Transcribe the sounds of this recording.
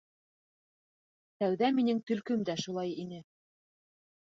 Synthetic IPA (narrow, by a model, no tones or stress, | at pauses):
t̪æwðæminɘŋt̪ɵ̆lkɵmd̪æʃulˠɑjinɘ